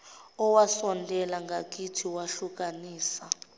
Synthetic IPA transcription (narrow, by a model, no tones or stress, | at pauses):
ɔwasɔntʼɛlaŋɡʱak̬ʼitʰiwaɬuk̬aniːsa